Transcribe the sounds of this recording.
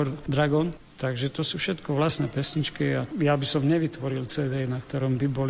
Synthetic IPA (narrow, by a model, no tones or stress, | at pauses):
ɔɾd̪ɾaɡɔn | t̪aɡʒɛt̪ɔsufʃɛt̪kɔʋlasnɛːpɛsɲit͡ʃkiajabisɔmɲɛʋit̪ʋɔɾilt͡sɛːd̪ɛːnakt̪ɔɾɔmbibɔl